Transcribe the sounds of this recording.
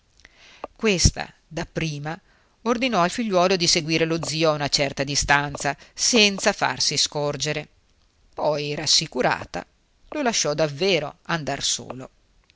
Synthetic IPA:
kwest̪a̰ | d̪apːɾiːma | ord̪inɔalfiʎːwɔːlod̪iseɡwiːɾelod̪ziːoaunat͡ʃɛrt̪ad̪ist̪ant̪sasɛnt̪safa̰rsiskord͡ʒeɾe | pɔjrasːikuɾa̰ːt̪a̰ | lolaʃːɔd̪avːeːɾo̰and̪arso̰ːlo

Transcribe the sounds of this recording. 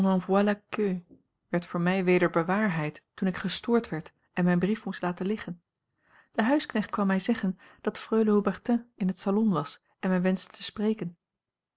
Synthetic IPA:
nɑ̃vwalakø | ʋɛɹtfʊːɹmɛjʋejdəɹbəʋaːɹɦɛjttunɪkχəstʊːɹtʋɛɹt | ɛnmɛjnbrifmustlaːtəlɪχən | d̥əɦœɥsknɛχt̚kʋɑmːɛjzɛχən | d̥ɑtfrøɥləobɛrtɛ̃ɪnɦətsalɔnʋɑs | ɛnmɛjʋɛnzdətʰəsprejkən

